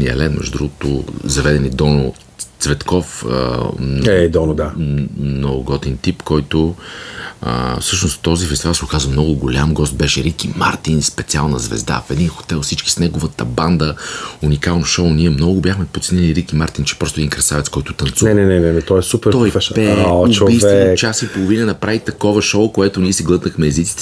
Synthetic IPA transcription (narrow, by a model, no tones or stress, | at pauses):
niɐ̰lɛnmɛ̰ʒʊd̪ɾuɡʊt̪ʊ̰zɐvɛd̪ɛnid̪ɔno | t̪svɛt̪kɔfə̰nɛd̪ɔnod̪anoɡʊɡɔt̪ɛnt̪ipkɔjt̪o | ə̰fsɤʃnʊst̪t̪ːɔzifɛst̪ivalˠsɛʊkazvɐmnɔɡʊɡʊlʲamɡɔst̪̚bɛʃɛɾikima̰ɾt̪inspɛt̪sialˠnəzvɛ̰zd̪a̰fɛd̪inxo̥t̪ɛlˠfsit͡ʃki̥snɛɡovət̪əband̪əunikalˠnʊʃoʊniɛmnɔɡʊbʲjaxmɛpot̪sɛnɛniɾikimaɾt̪int͡ʃɛ̥pɾɔst̪oɛd̪inkɾɐsavɛt̪skɔjt̪ʊt̪ɐnt̪suɛnɛnɛnɛnɛt̪ɔɛsutpɛɾt̪ɔiɛpɛoivɛt͡ʃasipolˠovinənɐpɾavit̪ɐkɔvɐʃowkoɛt̪ʊniɛsiɡlˠɤt̪nəxmɛːzit̪si̥t̪